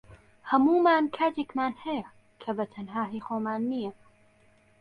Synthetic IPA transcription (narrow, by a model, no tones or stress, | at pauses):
hɐmuːmaːnkʰaːt̪ʰeːkmaːnhɛja | kʰɐbɐt̪ʰɐnɦaːɦiːxoːmaːnːijɐ